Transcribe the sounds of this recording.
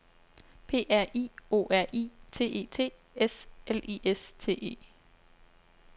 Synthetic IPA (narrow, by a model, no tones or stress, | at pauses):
pʰe̝̰ːʔæɐ̰ḭːo̝̰ːʔæɐ̰ʔḭːt͡sʰe̝̰ːʔe̝̰ːt͡sʰe̝̰ː | eselḭːʔest͡sʰe̝̰ːʔe̝̰ː